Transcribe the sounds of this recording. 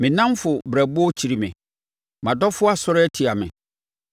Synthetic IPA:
mɪ̃˨nã˦m˦fʊ˨bɾæ˨bʊ˦ɔ˦t͡ɕʰi˨ɾi˨mɪ̰̃˨ | mã˨dɔ˦fʊ˦a˦sʊ˦ɾɛ˦tʰi˨a˨mɪ̰̃˨

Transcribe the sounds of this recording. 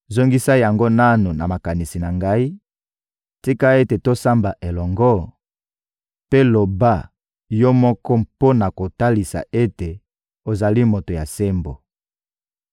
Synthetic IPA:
zo˦ŋɡi˦sa˦ja˨ŋɡo˦na˦nu˨na˨ma˨ka˨ni˨si˨na˨ŋɡa˦i˦ | ti˦ka˦e˦te˨to˦sa˦mba˨ʔe˨lɔ˨ŋɡɔ˦ | pe˦lo˨ba˦ | jɔ˦mɔ˦kɔ˦po˦na˨ko˨ta˦li˨sa̰˨e˦te˨ | o˨za˨li˦mo˨to˨ja˨se˦mbo˨

